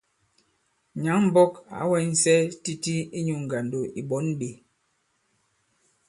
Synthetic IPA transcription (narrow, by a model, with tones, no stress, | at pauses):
ɲa˨˦ŋm̩˦bɔ˦ka̰˨˦wɛ˦n̩˦sɛ˦ti˦ti˦i˦ɲu˨ŋ̩˨ɡa˨ndo˨i˨ɓɔ˨˦nɓe˨